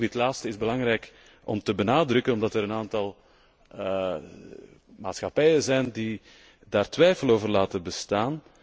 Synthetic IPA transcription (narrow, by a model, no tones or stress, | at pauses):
dɪtlaːtstəɪzbəlɑŋɾɛjk | ʔɔ̰mtəbənaːdrɵkənɔmdɑtəɾənaːntɑlˠ | maːtsxɑpɛjəzɛjndi | daːrtʋɛjfəloːvərlaːtəbəstaːn